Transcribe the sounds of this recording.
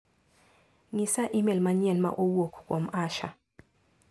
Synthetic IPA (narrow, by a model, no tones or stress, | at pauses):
ŋisaʔimɛlmaɲɛnma̰ʔowokʰkʼom̩aːʃa̰